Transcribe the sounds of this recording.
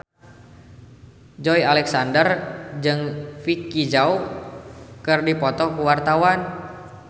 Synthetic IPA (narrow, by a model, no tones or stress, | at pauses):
d͡ʒɔjalɛksandərd͡ʒɨŋfikːid͡ʒau | kɨrdipɔt̪ɔkuwart̪awan